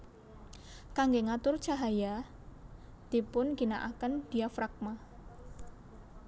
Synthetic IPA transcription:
kaŋɡeŋat̪ʊrt͡ʃaɦaja | d̪̥i̤pʊnɡinaʔakənd̪̥iafɾak̚ma

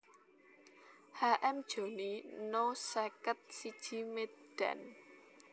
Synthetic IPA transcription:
haʔɛmd̥ʒ̥o̤ninosɛkət̪̚sid̥ʒ̥imet̪d̥ɛ̰n

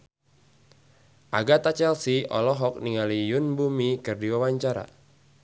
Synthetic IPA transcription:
ʔaɡat̪at͡ʃɛlsiɔ̰lɔɦɔk̚niŋalijʊnbumikɨrdiwawaɲt͡ʃaɾa̰

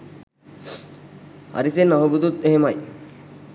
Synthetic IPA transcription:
ɐ̰ɾisenːaɦubud̪ut̪ːeɦemɐj

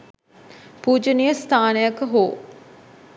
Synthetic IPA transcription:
puːd͡ʒənijəst̪ʰaːnəjakəɦoː

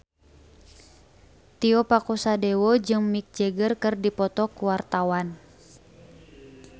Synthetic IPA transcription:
t̪iɔpakusadɛwɔd͡ʒɨŋmik̚d͡ʒɛɡərkɨrdipɔt̪ɔkuwart̪awan

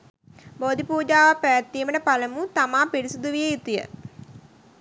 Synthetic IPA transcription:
boːd̪ipuːd͡ʒaːʋapæʋæt̪ːiːməʈəpaləmut̪amaːpiɾisud̪uʋijəit̪ujə̰

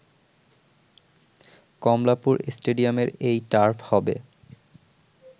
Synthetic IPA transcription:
kɔmlapuɾesʈeɖiameɾejʈaɾfʰhɔbḛ

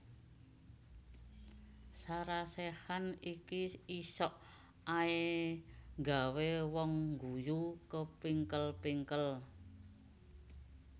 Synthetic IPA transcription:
saɾasehanikiisɔʔ | ae | ŋɡa̤wewɔŋɡujukəpiŋkəlpiŋkəl

